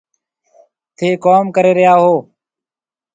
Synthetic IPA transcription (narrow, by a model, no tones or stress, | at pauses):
t̪ʰeːkoːmkəɾeːɾɪjaːɦoː